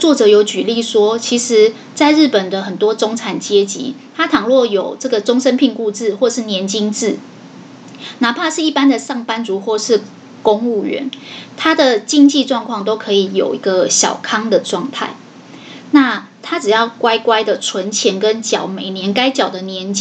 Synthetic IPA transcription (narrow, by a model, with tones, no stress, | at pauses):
t͡swɔ˥˩ʈ͡ʂɤ˨˩˦jo˧˥ʊt͡ɕy˨˩li˥˩ʂwɔ˥t͡ɕʰi˧˥ʂɻ̩˧˦ | t͡sa˥˧ɪɻ̩˥˩pə˨˩nd̪ə˦xə˨˩nt̪wɔ˥ʈ͡ʂo˥ŋʰa˨˩nt͡ɕjɛ˦˥t͡ɕḭ˧˥t̪ʰa˥t̪ʰɑ˨˩ŋlwɔ˥˩jo˨˩ʊʈ͡ʂɤ˥˩ɡə˩ʈ͡ʂʊ˥ŋʂə˥npʰi˥˧ŋku˥˧t͡sɻ̩˥˨xwɔ˥˧ʂɻ̩˥˩njɛ˧˦˥nt͡ɕi˥ŋt͡sɹ̩˥˩ | na˨˥pʰa˥˧ʂɻ̩˥˩i˥˩pa˥nd̪ə˨sɑ˥˩ŋpa˥nt͡su˨˧˥xwɔ˥˧ʂɻ̩˥˩ | ko˥ŋu˥˩ɥɛ̰˧˦nt̪ʰa˥d̪ə˨t͡ɕi˥˧ŋt͡ɕi˥˧ʈ͡ʂwɑ˥˧ŋkʰwɑ˥˩ŋt̪o˥ʊkʰɤ˧˥i˨˩jo̰˨˩ʊi˧˥ɡə˧ɕjɑ̰˨˩ʊkʰɑ˥ŋd̪ə˨ʈ͡ʂwɑ˥˧ŋt̪ʰa̰˥˩ɪ | na˥˧ | t̪ʰa˥ʈ͡ʂɻ̩˨˩jɑ˥˩ʊkwa˥ɪkwa˥ɪd̪ə˨ʈ͡ʂʰwə˧˥nt͡ɕʰjɛ˧˥nkə˦nt͡ɕjɑ˨˩ʊme˨˩ɪnjɛ˧˦˥nka˥ɪt͡ɕjɑ˨˩ʊd̪ə˨njɛ˧˦˥nt͡ɕ